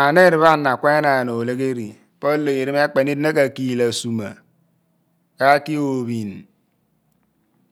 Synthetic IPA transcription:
a˨ne˦˨ɾi˨βa˦˨nːa˨kʷe˦na˨no˨le˦ɣe˦ɾi˨ | po˦lːe˨e˨ɾi˦m˦e˦k͡pe˨ni˦dna˦ka˨ki˨la˨su˨ma̰˨ | ka˦ki˦o˨βi˨n˨

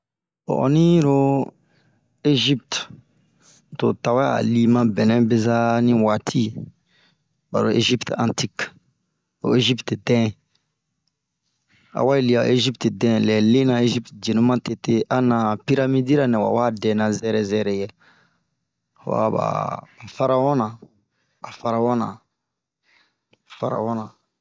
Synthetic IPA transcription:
ɔ̰˨ʔɔ̰˨nĩ˦ɾo˦ | e˦ʒi˦pt | to˨ta˨wa˦a̰˨li˦mã˦bɛ˨nɛ̃˦be˦za˦nĩ˦wa˨tʰi˦ | ba̰˨ɾo˨e˦ʒi˦ptã̰˨nti˦k | o̰˨e˦ʒi˦ptdɛ̃˦ | a̰˨wa˦e˨li˨a˨e˦ʒi˦ptdɛ̃˦lɛ˨le˦nã˦e˦ʒi˦ptd͡ʒe˨nũ˦mã˦te˨te˦ʔa˦nã˨pi˦ɾa˦mi˦di˦ɾa˦nɛ̃˨wa̰˨wa˦dɛ̃˨nã˨zɛ˦ɾɛ˦zɛ˦ɾɛ˨jɛ˨ | wa̰ba̰˨fa˦ɾa˦wɔ̃˦nã˨ | a˨fa˨ɾa˦wɔ˦nã̰˨ | a˨fa˨ɾa̰˨wɔ˦nã˨

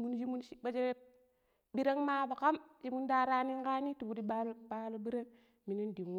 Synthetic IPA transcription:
mu˦nd͡ʒi˦mu˦nʃi˦ba˦d͡ʒe˦e˦ | bi˦ɾe˦ŋma˦ba˨ka˦md͡ʒi˦mu˦nda˦ɾa˦ni˦ŋ˦ka˦ni˦tu˨bu˨di˦ba˦lba˦lo˦bi˦ɾe˦ŋ | mi˨ni˦ndi˨nw

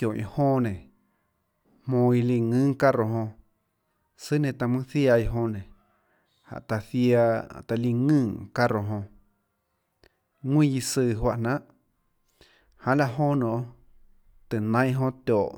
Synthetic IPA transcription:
jõ˨ʔḭ̃˧˨hõ˦nẽ˨ | hmõ˧i˧li˧ŋɨ̃ː˦ŋka˦ɾo˨ɦõ˧ | sɨ˦nẽ˧˨t̪a˧mɨ̃˦θja˧i˧ɦõ˧nẽ˨ | ha̰˨ʔt̪a˧˨θja˧t̪a˧li˧ŋɨ̃ː˦˨ka˦ɾo˨ɦõ˧ | ŋwĩ˦˧ji˧sɨː˧˨ɦwa˧ʔnã˦ʔ | hã˧la˧ʔɦõ˦nõ˨ʔ | t̪ɨ˨nã˦j̃ɦõ˦˧t̪ʲoː˨ʔ

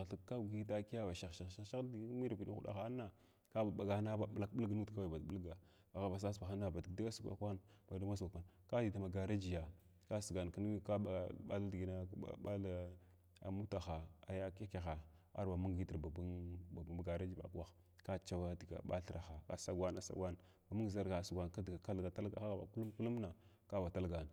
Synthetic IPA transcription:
ɬi˦ka˦˨ɡi˦ta˦ki˦ja˦ba˨ʃa˨ʃa˨ʃa˦ʃa˦dɡmi˦ɾa˨pi˨ni˦u˦da̰˨xa˨a˦nːa˨ | ka˦ba˨ɓa˨ɡa˨˦na˦ba˨ɓla˦kɓə˦lɡa˦nu˦tka˦wa˨ba˨dɓə˦lɡa˨ | a˨ɣa˨ba˨s̬a˦sba˨xa˦nːa˨ba˨di˨ɡda˦ɡa˦su˦ka̰˦kʷa˦n | ba˨da˦ma˦sa˨kʷa˦n | ka˦di˨ta˨ma˨ɡa˨ɾa˦d͡ʒi˨ja˨ | ka˦sə˨ɡa˨n˨kə˦n˦i˦ka˦˨a̰˦la˦di˨ɡi˨na̰˦ɓa˦la˦ | a̰˨mu˦ta˨xa˨a˨ja˦ke˦ka˨xa˨a̰˦ɾba˨mu˦ŋ˨ɡi˦ti˨ɾba˨bu˦a˨bɡa˨ɾa˦d͡ʒi˦ba̰˨kwa˦x | ka˦t͡ʃa˦wa˦di˨ɡa̰˨ɓa̰˦ɬɾa˨xa˨ka̰˦sa˦ɡwa˦na˨˦sa̰˦ɡʷwa˦n˨ | ba˨mu˦ŋ˨za˦ɾɡa˨su˨ɡʷa˨n˨ka˦dɡa˨ka˦lɡa˨ta˦lɡa̰˨xa˦ɣa˨ba̰˨ku˦lu˦mku˦lu˦m˦na˨ | ka˦ba˨ta˦lɡa˨n˨

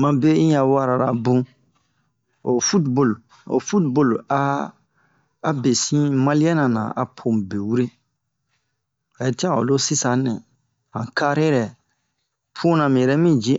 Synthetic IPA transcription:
mã˨be˦ĩ˦ja˨wa˦ɾa˨ɾa˨bũ˦ | o˨fu˦tbo˦˨l | o̰˨fu˦tbo˦˨la˦ | be˨sĩ˦ma˦li˦ja˦nã˨nã̰˨a̰˨pʰõ˨be˨wu˦ɾe˦ | a˨je˨ti˦ã˦˨o̰˨lo˦si˦sã˨nɛ̃˨ | ã˨ka˦ɾe˦ɾɛ˨ | pʰũ˦nã˨mĩ˨jɛ˨ɾɛ˦mĩ˦d͡ʒĩ˦

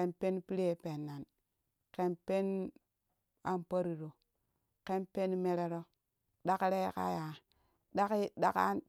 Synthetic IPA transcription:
e˦npe˦npi˦ɾe˦pe˨nːa˨n | ke˦npe˦n | a˦mpa˦ɾi˨ɾo˨ | ke˦npe˦nme˦ɾe˦ɾo˦ | da˦kɾe˦ka̰˦ja˨ | da˦ki˦da˦ka̰˦n

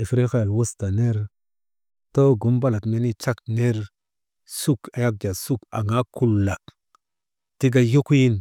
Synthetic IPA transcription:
e˨fɾe˦xa˦a˨lwu˦sta˨ne˦ɾ | to˦ɡu˨˦mba˦la˨tme˦ni˦t͡ʃa˦kne˦ɾ | su˦ka˨ja˦k̚d͡ʒa˨su˦ka̰˨ŋa˦kʰu˦lːa˨ | ti˦ɡa˦jo˦kji˦n

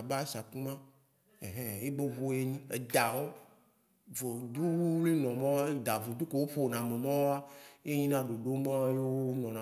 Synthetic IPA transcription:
a˨ba˦sa˨ku˦mã˦ | e˨ɦẽ˨je˦be˦βo˦je˦ɲĩ˦e˨d̪a˨wo˦ | vo˨d̪u˦wu˦li˦nɔ̃˨mã˦we˦d̪a˨vũ˨d̪u˦ko˦˨wo˦ɸo˦˨nã˨mẽ˨mã˦wo˦a˦je˦ɲĩ˦nã˦ɖo˨ɖo˦mã˦jo˦wnɔ̃˨nã

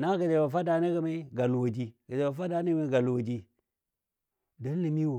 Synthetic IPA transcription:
na˦ɡə˨d͡ʒe˨ba˨fa˦da˨ne˦ɡə˦me˦ɡa˨lu˨wo˨d͡ʒi˦ɡə˨d͡ʒe˨wa˨fa˦da˨ne˦e˦ɡa˨lwo˨d͡ʒi˦ | da˦n˦li˨mi˦wo˨

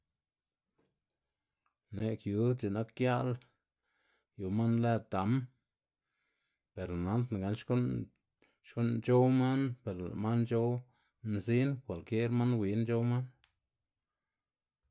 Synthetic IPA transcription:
ne˨kju˨˦t͡ʃe˨na˦kːja˦ʔl | ju˨ma˦nle˦t̪a˨˦m | pe˨ɾna˨˦nt̪n˨ɡa˨˦nʃko˦n | ʃko˦nt͡ʃo˦wma˦npe˨ɾla̰˨ma˦nt͡ʃo˦w | mzi˦nkʷa˨lkje˦ɾma˦nwʷi˨˦nt͡ʃo˦wma˦n

